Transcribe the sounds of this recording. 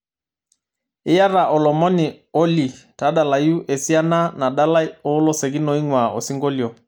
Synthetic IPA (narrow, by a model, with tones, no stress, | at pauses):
ɪ˦ja˦ɾa˨ʔɔ˨lɔ˨mɔ˦nɪ˨ | ɔ˦li˨ta˨˦ɗa˨la˨ju˦ʔe˨si˦a˦na˦na˨ɗa˦la˦ɔ˨˦lɔ˦sɛ˨ɡi˦nɔ˨i˦ŋwa˨ɔ̰˨si˦ŋɡo˦ljo˨